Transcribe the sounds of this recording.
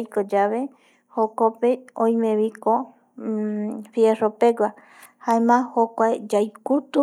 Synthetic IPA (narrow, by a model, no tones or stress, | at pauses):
jkod͡ʒaβe̞ | hokopeõj̃mẽβiko | fjeropeɡʷa | haemãhokʷaed͡ʒajkut̪u